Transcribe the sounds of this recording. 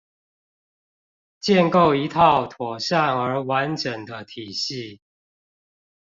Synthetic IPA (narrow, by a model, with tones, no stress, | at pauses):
t͡ɕjɛ˥˨nko˥˨˩ʊi˧˦t̪ʰɑ˥˨ʊt̪ʰwɔ˨˩ɕa˥˨ŋə˨˧˥wa˧˦nʈ͡ʂə˨˩ŋd̪ə˦t̪ʰi˨˩ɕi˥˨